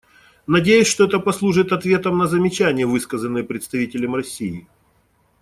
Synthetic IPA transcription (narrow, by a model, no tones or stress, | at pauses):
nɐdʲejʉsʲʂt̪oɛt̪əpɐslˠuʐɨt̪ɐt̪vʲe̞t̪əmnəzəmʲɪt͡ɕænʲɪjəvɨskəzənːɨjəpɾʲɪt̪st̪ɐvʲitʲɪlʲəmrɐsʲːijɪ